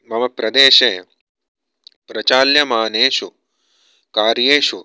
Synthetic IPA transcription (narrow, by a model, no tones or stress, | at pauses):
mɐmɐpɾɐd̪eːʃeː | pɾɐt͡ʃaːljɐmaːneːʃu | kaːɾjeːʃu